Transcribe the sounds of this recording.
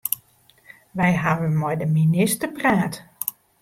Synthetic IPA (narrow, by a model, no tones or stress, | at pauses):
ʋɛjɦaʋənmɔjdəminɪstərpraːt